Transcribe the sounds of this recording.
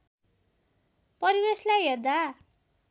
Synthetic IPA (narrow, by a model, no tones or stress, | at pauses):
pʌɾibeslajɦerd̪a